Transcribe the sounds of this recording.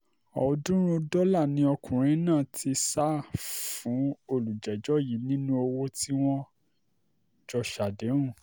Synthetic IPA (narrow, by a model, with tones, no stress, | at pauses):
ɔ˨dũ˦ɾ̃ũ˦dɔ˦la˦˨nĩ˧ɔ˧kʰũ˨ɾ̃ĩ˨˦nãː˦˨ti˧sa˦fũ˨˦o˧lu˨d͡ʒɛ˨d͡ʒɔ˦˨ji˨˦nĩ˦nũ˦o˧wo˦ti˦w̃ɔ̃˦ | d͡ʒɔ˧ʃa˨de˨˦ũ˦˨